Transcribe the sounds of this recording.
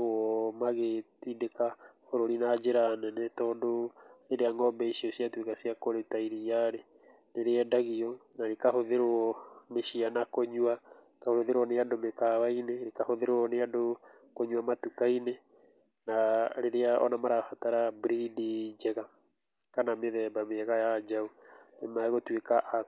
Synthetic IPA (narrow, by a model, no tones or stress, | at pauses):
ɔmaɣetidekahoɾoɾinad͡ʒeɾanɛnɛtɔːndoeɾeaŋɔmbɛisiɔsiatwekasiakoɾetaiɾijaɾe | neɾeɛdaɣiɔnaɾekahoðeɾoɔmeʃianakoɲwaekahoɾoðeɾwɔneadomekawaineɾekahoðeɾoɔneado | koɲwamatukaine | naɾeɾeaʔɔ̰namaɾahataɾabɾidid͡ʒɛɣa | kanameðɛbameɛɣajad͡ʒaonemaɛɣotwekaʔa